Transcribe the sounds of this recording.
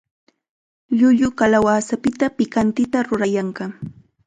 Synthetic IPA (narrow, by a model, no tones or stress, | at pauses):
ʎʊʎʊkalawaːsapɪt̪apɪkant̪ɪt̪aɾʊɾajaɴɢɑ